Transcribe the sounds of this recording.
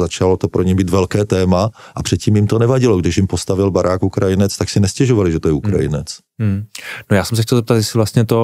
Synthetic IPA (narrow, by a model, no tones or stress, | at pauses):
zat͡ʃalot̪o̞pɾoɲɛmbiːt̪vɛlkɛːt̪ɛːmaʔapr̥ɛt̪̚ciːmjɪmt̪onɛvaɟɪloɡdɪʃjɪmpost̪avɪlbaɾaːkukɾajɪnɛt͡st̪aksɪnɛscɛʒovalɪʒɛt̪ojɛukɾa̰jɪ̰nɛt͡s̩ | nojaːsɛms̬ɛxçcɛlzɛpt̪at̪jɛsɪvlast̪ɲɛt̪o